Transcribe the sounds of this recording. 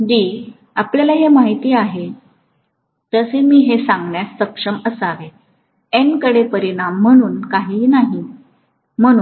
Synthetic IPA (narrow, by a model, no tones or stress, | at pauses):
d͡ʑiː | apljalaɦemaɦit̪iːaɦe | t̪əsemiːɦesaŋɡɳjasːəpʂəməsaʋe | enkəɽepəɾiɽ̃amːəɽ̃uːnkaɦiːnaɦi | m̤əɽ̃uːn